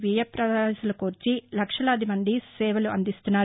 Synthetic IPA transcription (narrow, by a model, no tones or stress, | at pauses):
ʋijɐpɾɐd̪aːsɐlɐkuːɾt͡ʃilɐkʂɐlɐːd̪imɐnd̪isɛːʋɐluɐnd̪ist̪unːaː